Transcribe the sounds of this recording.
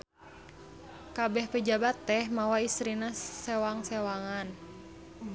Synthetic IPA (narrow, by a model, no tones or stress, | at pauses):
kabɛhpəd͡ʒabat̪ːɛhmawaist̪ɾinasɛwaŋsɛwaŋan